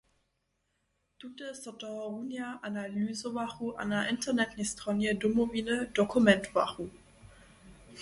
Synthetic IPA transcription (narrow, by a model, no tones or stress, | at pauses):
d̥utəsɔtɔʁunjaʔanalyːzəvaχuʔa̰nɐʔɪntənɛtnistʁɔnjədumoviːnəd̥okʰumɛntva̰χu